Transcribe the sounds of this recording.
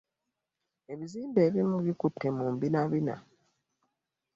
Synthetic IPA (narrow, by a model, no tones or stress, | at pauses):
e̞βiziːmbe̞ːβimːuβikutːemuːmbinaβina̰